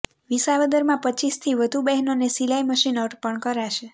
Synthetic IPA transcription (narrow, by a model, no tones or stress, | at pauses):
ʋisaʋəd̪əɾmãpət͡ʃist̪ʰiʋəd̪ʱubɛɦnonesilaiməʃinɔʈpəɳkəɾaʃe